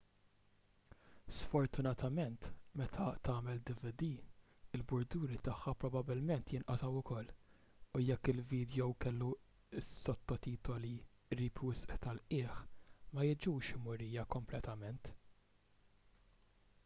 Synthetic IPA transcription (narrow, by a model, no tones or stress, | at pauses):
sfɔɾt̪ʊnɐt̪ɐmɛnt̪mɛt̪ʰɐt̪ɐːmɛld̪ɪvɪd̪iː | ɪlbʊɾd̪uːɾit̪ɐħːɐpɾɔbɐbɪlmɛnt̪jɪnʔɐt̪ɐwʊkɔlː | ʊjɛkːɪlviːd̪jɔwkɛlːu | sːɔt̪ːɔt̪iːt̪ɔli | ɾiːpwɪsʔt̪ɐlʔɪːħmɐjɪd͡ʒuːʃɪmʊɾiːjɐkɔmplɛt̪ɐmɛnt̪